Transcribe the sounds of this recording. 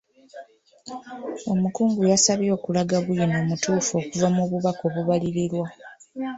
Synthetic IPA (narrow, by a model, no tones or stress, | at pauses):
o̞mukuːŋɡujasaβjo̞ːkulaɡaβujino̞ːmutuːfo̞ːkuvamuβuβako̞ːβuβaliɾiɾwa